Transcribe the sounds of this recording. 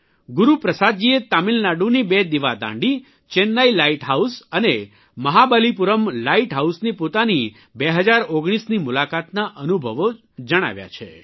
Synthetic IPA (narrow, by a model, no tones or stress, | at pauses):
ɡuɾupɾəsad̪̚d͡ʒiet̪amilnaɖũnibed̪iʋad̪ã̰ɳɖi | t͡ʃenːailaiʈɦausəne | məɦabalipuɾəmlaiʈɦausnipot̪ani | beɦəd͡ʒaɾoɡɽ̃isnimulakat̪naʔənubʱəʋo | d͡ʒəɽ̃a̰ʋja̰t͡ʃʰḛ